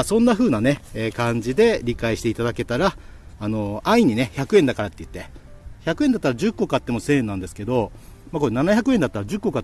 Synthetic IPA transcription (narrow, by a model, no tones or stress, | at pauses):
sõ̞nːaɸɯ̟ːnane̞eːkãɲ̟d͡ʑid̪e̞ɾʲikaiɕi̥t̪eit̪ad̪ake̞t̪aɾaː | no̞aiɲ̟ine̞çakɯ̟end̪akaɾat̪ːeɯ̟t̪ːe | çakɯ̟end̪at̪ːaɾad͡ʑɨkːo̞kat̪ːe̞mo̞sẽ̞ːnːãnd̪e̞sɨ̥ke̞d̪o̞ | mako̞ɾenanaçakɯ̟ẽ̞nd̪at̪ːaɾad͡ʑɨkːo̞ka